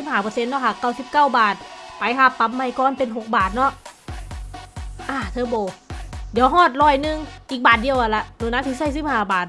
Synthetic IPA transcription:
si˧˦p̚haː˧˩pɤː˧se˧˥nːɔ˧˥˩kʰa˧˩kːaː˧˩wsi˧˦p̚kaː˥˩wbaː˨˩t̪̚pa˧˦jk̪ʰa˧˩t̪a˧˦mːa˧˩jkɔː˧˨npe˧˨nɦo˨˩k̚baː˨˩t̪̚nɔ˧˥ʔ | ʔaː˧˩t̪ʰɤː˧˦bɔː˨˩ji˨˧˦wɦɔː˥˩t̪̚ɾɔː˧˩jnɯ˧ŋʔiː˨k̚baː˨˩t̪̚di˧əwʔa˨˧˩la˧ʔdo˧˦naː˧˥˩t̪ʰi˧˦sa˧˩js̬i˧˥p̚haː˧˩baː˨˩t̪̚

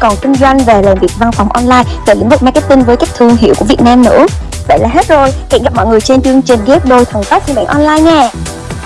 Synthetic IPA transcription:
kɔ˨˩nkï˧ŋ̟zwa˧jŋ̟ve˨˩laː˨˩mvi˨˩ək̚va˧nfa˨˩wŋ͡mʔɔ˧nlaː˧jve˨˩lḭ˧˥ŋ̟vɨ˨˩maː˧jkːɛ˦˥t̪i˧ŋ̟vəː˨˦jka˦˥k̟̚t̪ʰɨ˧˩əŋɦḭ˧əwku˧˩əi˨˩ət̚naː˧mnɨ̰˧˥ | və̰˧˨laː˨˩ɦe˦˥t̚zo˨˩jka̰˧˥ŋɣa˨˩p̚mɔ̰˧˨jŋɨ˨˩əjt͡ɕe˧nt͡ɕɨ˧əŋt͡ɕï˨˩ŋ̟ɣɛ˦˥p̚ɗo˧jt̪ʰə˨˩wŋfa˦˥t̚si˧nɓa̰ː˧˩nʔɔ˧nlaː˧jɲɛː˧˩

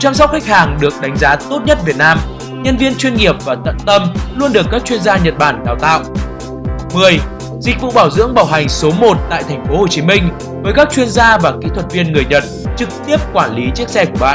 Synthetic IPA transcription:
tt͡ɕa˧msa˦˥w̚xa˦˥jk̟̚haː˨˩ŋɗɨ˨˩ək̚ɗa˨˦jŋ̟zaː˨˦t̪o˦˥t̚ɲə˦˥t̚vi˨˩ət̚naː˧m | ɲə˧nvi˧ənt͡ɕwi˧ənŋi˨˩əp̚vaː˨˩t̪ə̰˧˨nt̪ə˧mlu˧ənɗɨ˨˩əkːaː˦˥k̚t͡ɕwi˧ənzaː˧ɲə˨˩t̚ɓaː˧˩nɗaː˧˩wt̪a̰ː˧˨ʔ | mɨ˨˩əj | zï˨˩k̟̚vṵ˧˨ɓaː˧˩wzɨ̰˧˥əŋɓaː˧˩wɦa˨˩jŋ̟so˨˦mo˨˩t̚t̪a̰ː˧˨jt̪ʰɛ˨˩jŋ̟fo˨˦ho˨˩t͡ɕi˨˦mï˧ŋ̟ | vəː˨˦jkaː˦˥k̚t͡ɕwi˧ənzaː˧vaː˨˩kḭ˧˥t̪ʰwə˨˩t̚vi˧ənŋɨ˨˩əjɲə˨˩t̚t͡ɕɨ˨˩k̚t̪i˦˥əp̚kwaː˧˩nli˨˦t͡ɕi˦˥ək̚sɛ˧ku˧˩əɓa̰ː˧˨

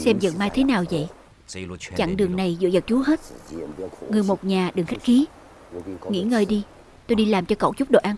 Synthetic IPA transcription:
sɛ˧mzə̰˧˨ŋmaː˧jt̪ʰe˨˦naː˨˩wzə̰˧˨j | t͡ɕa̰˧˨ŋɗɨ˨˩əŋna˨˩jzɨ̰˧˨zə˨˩k̚t͡ɕu˨˦ɦe˦˥t̚ | ŋɨ˨˩əjmo˨˩t̚ɲaː˨˩ɗɨ˨˩ŋxa˦˥k̟̚xi˨˦ | ŋḭ˧˥ŋəː˧˩jɗi˧ | t̪o˧jɗi˧laː˨˩mt͡ɕɔ˧ko̰˧˨wt͡ɕʊ˦˥k͡p̚ɗo̰˧˨ʔaː˧ŋ

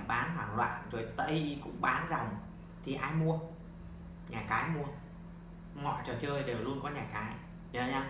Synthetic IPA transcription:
ɓaː˨˦nɦwaː˧˩ŋlwa̰ː˧˨nzo˨˩jt̪ə˧˩jkʊ̰˧˥ŋ͡mɓaː˨˦nza˨˩wŋ͡m | t̪ʰi˨˩ʔaː˧jmu˧ə | ɲaː˨˩kaː˨˦jmu˧ə | ŋɔ̰˧˨jt͡ɕɔ˨˩t͡ɕəː˧jɗe˨˩wlu˧ənkɔ˨˦ɲaː˨˩kaː˨˦j | zɔ˧ɲaː˧

